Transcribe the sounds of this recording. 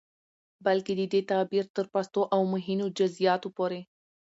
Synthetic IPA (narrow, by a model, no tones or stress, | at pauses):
balked̪əd̪et̪ɑbiɾt̪əɾpast̪oʔawmʊɦinod͡ʒʊzijɑt̪opoɾe